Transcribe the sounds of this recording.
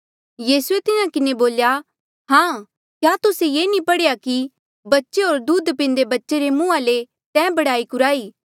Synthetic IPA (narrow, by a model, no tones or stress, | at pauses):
jiːsuet̪ɪnãkɪneboːlja | ɦãː | kjaːt̪ʊsejeːnĩpɐɽejaki | bɐtːʃeɦoːɾd̪uːd̪pɪ̃ːnd̪ebɐtːʃeɾemũːãle | t̪ɛ̃ːbɐɽaːikʊɾaːiː